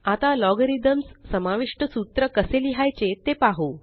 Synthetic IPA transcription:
at̪alɔɡəɾid̪əmsːəmaʋiʂʈəsut̪ɾəkəseliɦajt͡ɕet̪epaɦu

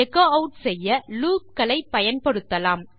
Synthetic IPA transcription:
ɛkoɐʊʈsɛjːɐluːp̚kɐlɐɪpːɐjɐnpɐɽɯt̪ːɐlaːm

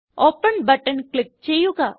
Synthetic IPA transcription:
oːpəɳbɐʈənklɪp̚t͡ʃejukaː

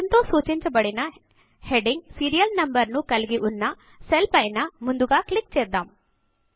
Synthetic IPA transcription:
nt̪oːsuːt͡ʃiɲt͡ʃɐbɐɽinɐ | heɖiŋɡsiːɾijɐlnɐmbɐɾnukɐlɡiʔunːɐ | selpɐjnɐmund̪uɡaːklik̚t͡ʃeːd̪aːm

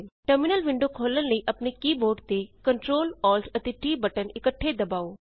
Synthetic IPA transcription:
ʈəɾmɪnəlʋɪ̃ɳɖokʰoːlənləiʔɐpnekiːboːʈt̪ekɐɳʈɾoːlɔːlʈʰɐt̪eʈiːbəʈənɪkəʈʰːed̪ɐbaːoː

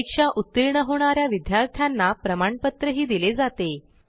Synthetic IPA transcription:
ikʂaʔut̪ːiɾɳəɦoɳ̃aɾjaʋid̪jaɾt̪ʰjanːapɾəmaɳpət̪ɾəɦiːd̪iled͡zat̪e

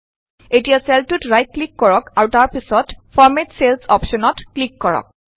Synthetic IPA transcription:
etijasɛltutɹajt̚klikːɔɹɔkaɹutaɹpisɔtfʰɔɹmetselsɔpʃɔnɔtklikːɔɹɔ̰k̚

